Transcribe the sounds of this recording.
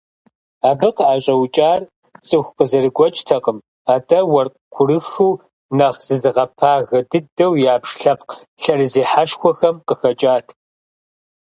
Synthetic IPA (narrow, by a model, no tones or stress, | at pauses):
aːbɨqaːɕʼɐwt͡ʃʼaːr | t͡sʼɨxʷqəzɐrɨɡʷɔt͡ʃʼtʰɐqʼəm | aːtɐwɐrqkʷʰʊɾɨxuː | nɐʁz̥ɨzɨʁɐpʰaːɣɐdɨdɐwjaːpʂɬɐpq | ɬɐrɨzeːħaʂxʷɔxɐmqəxɐt͡ʃʼaːtʰ